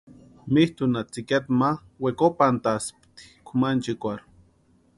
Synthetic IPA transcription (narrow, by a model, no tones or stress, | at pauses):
miht̪unat͡siket̪ma | wekopant̪aspt̪i̥kʷʰumant͡ʃikʷaɾ